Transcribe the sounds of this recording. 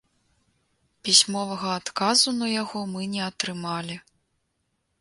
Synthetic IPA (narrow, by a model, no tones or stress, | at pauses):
pʲisʲmɔvɐɣɐat̪kazunɐjaɣɔmɨnʲɛɐt̪ɾɨmalʲi